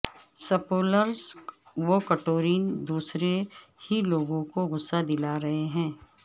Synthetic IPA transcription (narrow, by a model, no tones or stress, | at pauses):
sɐpoːləɾs | ʋokɐʈoːɾiːnd̪uːsɾehiloːɡõkoɣʊsːad̪ɪlaɾɐɦeɦɛ̃ː